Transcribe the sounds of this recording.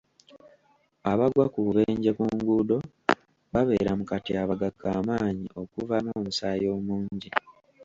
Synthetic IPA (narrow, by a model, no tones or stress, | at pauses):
aβaɡwakuβeːɲɟekuŋɡuːdo̞ | βaβe̞ːɾamukatiaβaɡakːaːmaːɲḭʔo̞kuvanoːmusaːjo̞ːmuːɲɲɟi